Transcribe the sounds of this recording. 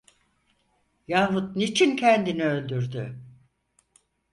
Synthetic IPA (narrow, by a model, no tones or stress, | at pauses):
jaːɦut̪̚nit͡ʃʰincʰɛnd̪iniø̞lʲd̪yɾd̪y